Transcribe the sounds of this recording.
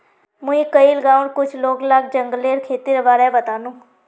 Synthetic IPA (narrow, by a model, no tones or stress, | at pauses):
mʊ̃ĩkəiləɡaːʊɳkʊt͡ʃʰloːɡlaɡ̚d͡ʒəŋɡleːɾkʰeːt̪iɾəbaːɾɛbət̪aːnũː